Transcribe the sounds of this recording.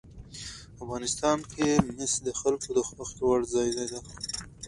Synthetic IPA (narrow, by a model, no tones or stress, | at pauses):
afɣɑnɪst̪ɑnkʰemɪsd̪əxalkod̪əxwaxt̪waɽzɑjd̪ajd̪a